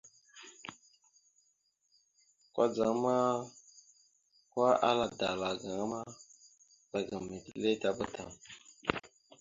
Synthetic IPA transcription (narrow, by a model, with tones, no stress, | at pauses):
kwa̰˦d͡za˨ŋ˦ma˦ | kwa˦ʔa̰˦la˦da˨la˨ɡa˨ŋa˦ma˦ | za˨ɡa˨mi˨ti˦le˦ta˦bə˦tʰa˨ŋ